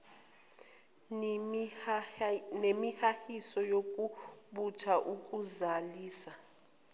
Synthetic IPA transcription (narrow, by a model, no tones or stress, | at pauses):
nemihahisɔjokʼuɓutʰaʔukʼuzaliːsa